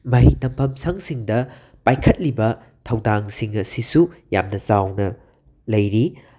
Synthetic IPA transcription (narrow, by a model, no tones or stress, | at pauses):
mɐɦitɐmpʰɐmsaŋsiŋdɐ | pajkʰɐt̚libɐ | tʰɐwdaŋsiŋɐsisuja̰mnɐzawnɐ | lɐjɾi